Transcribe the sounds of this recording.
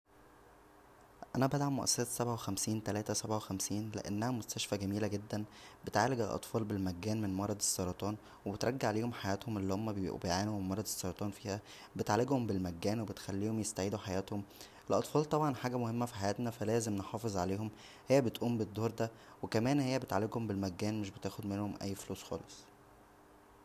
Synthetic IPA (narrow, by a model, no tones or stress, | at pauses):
ʔænæbæd̪ʕamːoʔæ̰sːɑsæt̪sæbʕawexæmsiːnt̪ælæːt̪æsæbʕawexæmsiːnlḛʔḛnːæhæmost̪æʃfæɡæmiːlæɡed̪ːænbet̪ʕaːleɡelʔɑ̰t̪ˤfɑːlbelmæɡːæːnmenmɑɾˤɑd̪esːɑɾˤɑt̪ˤɑːn | webet̪ɾˤɑɡːaʕaleːhomħajæːt̪homʔelːihomːæbejʕaːnuemɑɾˤɑd̪esˤːɑɾˤɑt̪ˤɑːnfiːhæ | bet̪ʕaleɡhombelmæɡːæːnwebet̪xælːiːhomjest̪aʕiːd̪uħajæːt̪homʔelʔɑt̪ˤfɑːlt̪ˤɑbʕɑnħaːɡæmohemːæfi̥ħajæːt̪næfælæːzemneħɑːfezˤʕaleːhom | hejːæbet̪ʔuːmbed̪ˤːoːɾˤd̪æ | wekæmæːnhejːæbet̪ʕalːeɡhombelmæɡːæːnmeʃbet̪æːxod̪menhomʔæ̰jːfluːsxɑ̰ːlesˤ